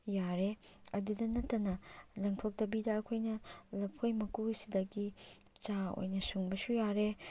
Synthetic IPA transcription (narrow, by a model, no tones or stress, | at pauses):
jaɾeɐdudɐnɐtːɐnɐlɐŋtʰok̚tɐbidɐːkʰojnɐlɐpʰojmɐkusidɐɡi | t͡ʃao̰jnɐsuŋbɐsujaɾe